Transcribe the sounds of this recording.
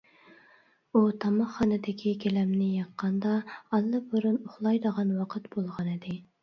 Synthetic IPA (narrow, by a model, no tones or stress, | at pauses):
ut̪ʰɑmɑχːɑnɨd̪ɪkʲʰikʲʰelɛmnɪjɑqːɑnd̪ɑɑlˠːɨboɾunoχlˠɑjd̪əʁɑnwɑqʰət̪bolˠʁɑnɨd̪ɪ